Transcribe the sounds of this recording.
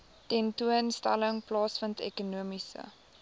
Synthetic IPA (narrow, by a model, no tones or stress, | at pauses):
tɛntuənstæ̰ləŋplɑːsfəntɛ̰kunuəmisə̰